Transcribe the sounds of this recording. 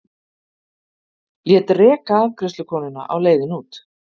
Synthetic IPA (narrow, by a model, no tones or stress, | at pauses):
ljɛːt̪rɛːkaːvkɾʏst̪lʏkʰɔːnʏna̰ʔa̰wleːjðɪnuːt̪